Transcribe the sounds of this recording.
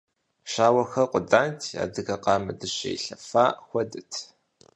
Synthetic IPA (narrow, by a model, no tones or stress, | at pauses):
ʃaːwɐxɐqʷʊdaːntʰa̰ːdɨɣɐqɑːmɨdɨɕḛjɬɐfaːxʷɔdɨtʰ